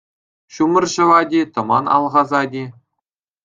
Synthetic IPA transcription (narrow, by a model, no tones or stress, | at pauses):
ɕumɤ̆rʑɤ̆ʋɑdʲet̪ɤ̆mɑ̰nɑ̰lˠʁɑzɑdʲe